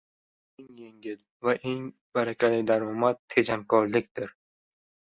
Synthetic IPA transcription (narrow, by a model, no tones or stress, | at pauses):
eŋjeŋɡʲɪl | vaʔeŋ | b̥aɾakʲʰalɪd̪aɾɒmat̪ʰːed͡ʒamkʰɒɾlɪk̚ʲd̪ɪɾ